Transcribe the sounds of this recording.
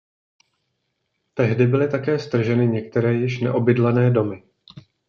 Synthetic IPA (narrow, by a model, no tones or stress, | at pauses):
t̪ɛɦdɪbɪlɪt̪akɛːst̪r̩ʒɛnɪɲɛk̚t̪ɛɾɛːjɪʃnɛ̰ʔo̞bɪdlanɛːdo̞mɪ